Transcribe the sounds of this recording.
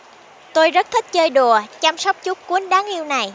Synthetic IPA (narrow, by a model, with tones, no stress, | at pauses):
t̪o˧jzə˦˥t̚t̪ʰï˦˥k̟̚t͡ɕəː˧jɗu˨˩ət͡ɕa˧msa˦˥wk͡p̚t͡ɕu˦˥k͡p̚kui˨˦ənɗaː˨˦ŋʔi˧əwna˨˩j